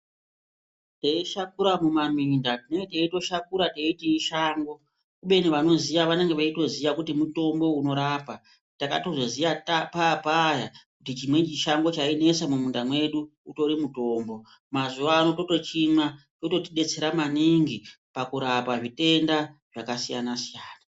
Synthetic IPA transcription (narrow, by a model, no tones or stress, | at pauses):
teiʃakuɾamumamindatineŋɡeteito̞ʃakuɾateitiiʃaːŋɡo̞ | kuɓe̞niʋano̞zijaʋane̞ŋɡe̞ʋaito̞ziʋakutimuto̞mbo̞uno̞ɾaːpa | taka̰to̞zo̞zijatapapajakutit͡ʃimwe̞t͡ʃiʃaŋɡo̞t͡ʃaine̞samumundamwe̞ɗuuto̞ɾimuto̞ːmbo̞ | mazuʋaːno̞to̞to̞t͡ʃimat͡ʃo̞to̞tiɗe̞t͡se̞ɾamaniŋɡi | pakuɾapaʐite̞ndaʐ̥akasija̰nasijaːna